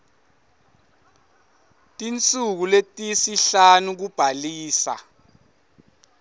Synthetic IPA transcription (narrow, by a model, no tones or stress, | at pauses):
tʼint͡sʼuk̬uletʼisiɬanuk̬ub̥ʱaliːsa̰